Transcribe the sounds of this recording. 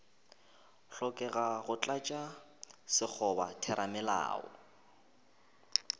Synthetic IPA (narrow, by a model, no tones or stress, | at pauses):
ɬɔkʼɛɣaɣʊt͡ɬʼat͡ʃʼa | sɪk͡xʰɔba̰tʰɛɾʔamɛla̰ːɔ̰